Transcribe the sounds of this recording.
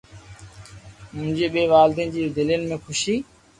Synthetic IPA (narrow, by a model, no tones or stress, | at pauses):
mʊ̃ɦɪ̃d͡ʑeːɓeːʋaːld̪ẽːnd͡ʑiːd̪ɪljənɪmẽːxʰʊʃiː